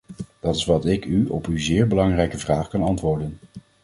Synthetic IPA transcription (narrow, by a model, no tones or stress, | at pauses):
d̥ɑtɪsʋɑtɪkyɔ̰pyzɪːɹbəlɑŋrɛjkəvraːχkɑnɑntʋʊːɹdən